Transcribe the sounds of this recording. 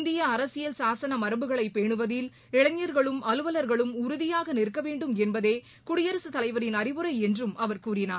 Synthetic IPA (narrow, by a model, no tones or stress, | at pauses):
nd̪ɪjɐːɾɐsɪjɐlsaːsɐnɐmɐɾɐbɯɣɐɭɐɪpːeːɳɯʋɐðɪl | ɪɭɐɲːɐɾɣɐɭɯmɐlɯʋɐlɐɾɣɐɭɯmʊɾʊðɪjaːɣɐnɪɾkːɐʋeːɳɖɯmɛnbɐðeː | kʊɽɪjɐɾɐsɯt̪ɐlɐɪʋɐɾɪnɐɾɪʋɯɾɐɪɛndrɯmɐʋɐɾkuːrɪnaːɾ